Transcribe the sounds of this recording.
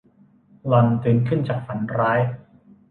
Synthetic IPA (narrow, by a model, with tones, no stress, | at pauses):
lɔ˧nt̪ɯː˧˩nkʰɯ˥˩nt͡ɕaː˨˩k̚fa˩˦nɾaː˦˥j